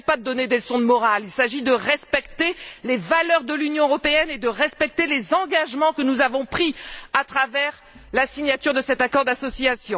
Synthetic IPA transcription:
pad̪əd̪ɔned̪elsɔ̃d̪mɔʁalilsaʒid̪əʁɛspɛkt̪elevalœʁd̪əlynjɔ̃øʁɔpeɛned̪əʁɛspɛk̚t̪elezɑ̃ɡaʒmɑ̃kənuzavɔ̃pχiat̪χavɛʁ | lasiɲjat̪yʁd̪əsɛt̪akɔʁd̪asɔsiasjɔ̃

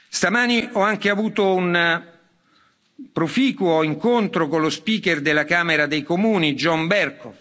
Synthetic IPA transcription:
st̪amaːniɔaŋkeavuːt̪oun | pɾofiːkwoiŋkont̪ɾokonlospiːkerd̪elːakaːmeɾad̪ejkomuːnid͡ʒɔmbɛrko

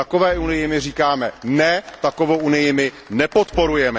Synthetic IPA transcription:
ako̞vɛːʔunɪjɪmɪr̝iːkaːmɛnɛt̪ako̞vowʔunɪjɪmɪ | nɛpo̞t̪po̞ɾujɛmɛ

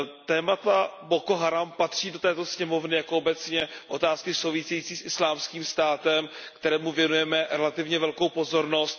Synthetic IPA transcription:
t̪ɛːmat̪abo̞koɦaɾampat̪r̝̥iːdot̪ɛːt̪osɲɛmo̞vnɪjakoobɛt͡sɲɛʔo̞t̪aːskɪso̞wvɪsɛjiːt͡siːsʔɪslaːmskiːmst̪aːt̪ɛmkt̪ɛɾɛːmuvjɛnujɛmɛɾɛlat̪ɪvɲɛvɛlkowpo̞zo̞ɾno̞st̪

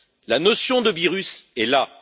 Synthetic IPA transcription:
lanɔsjɔ̃d̪əviʁysɛla

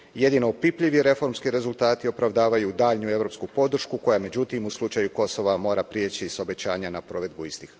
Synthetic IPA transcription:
je̞d̪ino̞ːpipʎiʋiɾe̞fo̞ɾmskiɾe̞zulˠt̪aːt̪io̞pɾaʋd̪aːʋajud̪aːʎnue̞ʋɾo̞pskupo̞d̪r̩ʃkuko̞jame̞d͡ʑut̪imuslˠut͡ʃajuko̞so̞ʋamo̞ːɾapɾijet͡ɕiso̞be̞t͡ɕaːɲanapɾo̞ʋe̞d̪̚buist̪ix

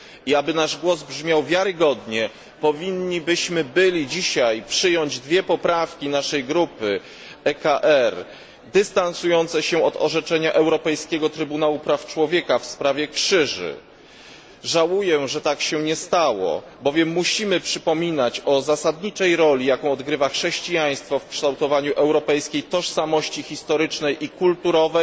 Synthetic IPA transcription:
iabɘnaʐɡwɔzbʐmʲjawvʲjaɾɘɡɔd̪ɲɛ | pɔvʲiɲːibɘɕmɘbɘlʲid͡ʑiɕajpʂɘjɔɲd͡ʑd̪vʲjɛpɔpɾafkʲinaʂɛjɡɾupɘ | ɛkaʔɛɾ | d̪ɘst̪ansujɔnt̪sɛɕɛɔt̪ɔ̰ʐɛt͡ʂɛɲaʔɛwɾɔpɛjskʲɛɡɔt̪ɾɘbunawupɾaft͡ʂwɔvʲjɛkafspɾavʲjɛkʂɘʐɘ̰ | ʐawujɛʐɛt̪akɕɛɲɛst̪awɔ̰ | bɔvʲjɛmːuɕimɘpʂɘpɔmʲinat͡ɕɔzasad̪ɲit͡ʂɛjɾɔlʲijakɔ̃w̃ɔd̪ɡɾɘvaxʂɛɕt͡ɕijaj̃st̪fɔfkʂt̪awt̪ɔvaɲuʔɛwɾɔpɛjskʲejt̪ɔʂsamɔɕt͡ɕixʲist̪ɔɾɘt͡ʂnɛjʔikult̪uɾɔvɛ

